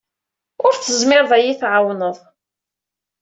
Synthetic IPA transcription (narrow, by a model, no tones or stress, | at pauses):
ʊɾθəzmɪɾˤðˤæjiθʕawnəðˤ